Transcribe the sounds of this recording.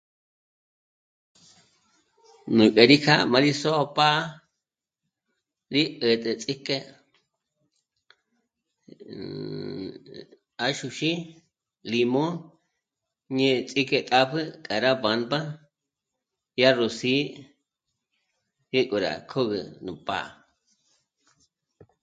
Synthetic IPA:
nũ˨kʼe˨ɾi˦kʰa˦mã˧ɾi˦so˦˧pa˦ | ɾi˦ʔə˨t̪ʼə˨t͡sʼi˦ke˦ | a˦ʃu˧ʃi˦ | li˧mõ˦ | ɲẽ˦˧t͡sʼi˦ke˧t̪ʼa˦pʰɨ˦kʼa˨ɾa˦ba˨˧nba˦ | ja˦ro˨si˦ | je˦kʼu˨ɾa̰˨kʰo˦ɣə˨nũ˨pa̰˦ʔ

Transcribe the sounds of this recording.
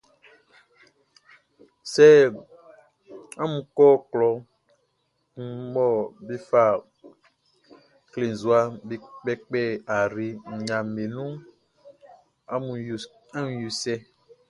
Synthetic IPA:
sɛ˦ | a˦mũ˨kɔ˦klɔ˨ | ŋ̩˦mɔ˦bi˦fa˦ | kle˨n˨zu˨˦a˦bi˨k͡pɛ˦k͡pɛ˦a˨ɾi˨ŋ̩˨ɲã˨me˨nũ˦ | a˦mũ˨ | a˦mũ˦ju˨sɛ˦

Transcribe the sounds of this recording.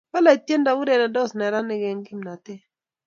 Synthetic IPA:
ba˦la˨i˨tje˦nda˨wu˦de˨na˨dɔ˦snɛ˨ɾa˦nɪ˦ɡɛ˨ŋɡɪ˦mna˨tɪ˦

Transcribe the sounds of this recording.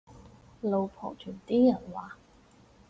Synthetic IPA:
lo˨wpʰɔ̰ː˨˩ŋt͡ʃʰyː˨˩nt̪iː˥jɐ˨˩nwaː˨˩

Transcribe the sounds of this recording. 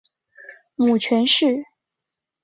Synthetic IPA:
mu˨˩t͡ɕʰɥɛ˧˥nʂɻ̩˥˩

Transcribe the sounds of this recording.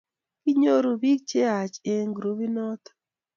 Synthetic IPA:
ki˦ɲo˦ɾo˨bi˦k̚t͡ʃe˦a˨t͡ʃe˨ŋɡɾu˨vi˦nɔ˦t̪

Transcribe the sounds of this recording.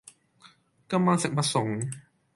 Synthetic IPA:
ka˥˧mːaː˧nsɯ˨˩pa˧so˩˦ŋ

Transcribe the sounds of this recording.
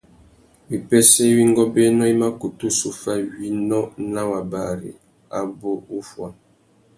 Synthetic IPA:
wi˨pɛ˦sɛ˦wi˦ŋ˦ɡɔ˦be˦nɔ˦i˦ma˦ku˨tu˦su˨fa˦wi˦nɔ˦na˦wa˨ba˨ɾḭ˨ | a˨bo˦u˦fwa˨

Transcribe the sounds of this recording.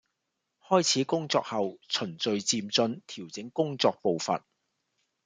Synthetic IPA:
hɔː˥jt͡sʰiː˨˥kʊ˥ŋt͡sɔ̰ː˧k̚hɐ˨wt͡sʰɵ˨˩nt͡sɵ˨ɥt͡siː˧mt͡sɵ˧nt̪ʰiː˨˩wt͡sɪ˨˥ŋkʊ˥ŋt͡sɔː˧k̚po˨˧wfɐ̰˨n̚

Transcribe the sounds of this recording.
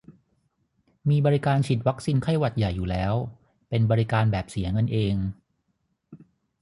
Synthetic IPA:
miː˧bɔː˧ɾi˦˥kaː˧nt͡ɕʰi˨˩t̪̚wa˦˥k̚siː˧nkʰa˥˩jwa˨˩t̪̚ja˨˩jːuː˨˩lɛː˦˥w | pe˧nbɔː˧ɾi˦˧kaː˧nbɛː˨˩p̚si˩˦ɐŋɤ˧nʔeː˧ŋ

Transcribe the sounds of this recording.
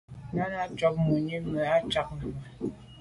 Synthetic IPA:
na˦na˦t͡ʃɔ˦p̚mu˨ɲi˦mɛ˨a˦t͡ʃa˦k̚n˨ma˨

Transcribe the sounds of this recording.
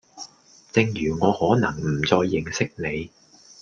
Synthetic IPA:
t͡sɪ˧ŋjyː˨˩ŋɔː˨˧hɔː˨˥nɐ˨˩ŋm̩˨˩t͡sɔː˧jːɪ˨˧ŋsɪ˥k̚ne˨˧j

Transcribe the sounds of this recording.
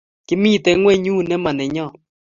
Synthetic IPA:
kɪ˦mi˦˨tɛ˨˦ŋwɛ˦˨ɲu˦nɛ˦ma˨nɛ˨ɲɔ˦˨

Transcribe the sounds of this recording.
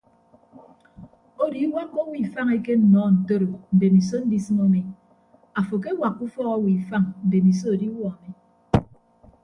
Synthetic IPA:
o˦di˨˦wa˦kːo˦wi˨fa˦ŋe˦ke˦n̩˨nɔ˨˦n̩˨to˦ɾo˨n̩˨de˨mi˨s̬o˦n̩˦di˦sɨ˦mo˦mi˨ | a˨fo˨k̬e˦wa˨kːu˦fɔ˦ɣɔ˦wi˨fa˦ŋn̩˨de˨mi˨s̬o˦o˨di˦wɔ˦˨ne˦

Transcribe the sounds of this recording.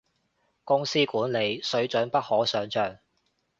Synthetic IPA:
kʊ˥ŋsiː˥kuː˨˥nle˨˧jsɵ˨˥ɥt͡ʃɵ˨˥npɐ˥t̚hɔː˨˥sœː˨˥ŋt͡ʃœː˨˧ŋ

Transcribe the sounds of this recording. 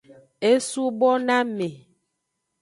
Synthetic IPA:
e˦su˦bɔ˦na˦me˨

